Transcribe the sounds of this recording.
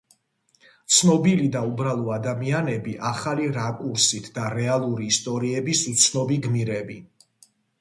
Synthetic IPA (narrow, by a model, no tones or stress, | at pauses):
t̪sʰnɔbilid̪aubɾalˠɔad̪amianɛbiʔaχaliɾakʼuɾsit̪ʰd̪aɾɛalˠuɾiːst̪ʼɔɾiɛbisut̪sʰnɔbiɡmiɾɛbi